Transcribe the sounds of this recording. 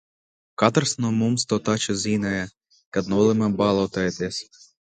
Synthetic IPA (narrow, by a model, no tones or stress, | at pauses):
kɑt̪ɐɾsnɔmumst̪ɔt̪ɑt͡ʃɔzʲinɐjɛ | kɐd̪nɔlˠɪmɛbɑlˠɔt̪ɐet̪esʲ